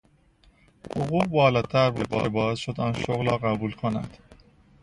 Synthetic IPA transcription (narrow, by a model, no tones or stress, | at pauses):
hoɣuːbɒːlɒːt̪ʰæɾbebɒ̰ːɾebɒːzʃod̪ɒnʃoɣlɒːɢæbuːlkʰonæ̰d̪̥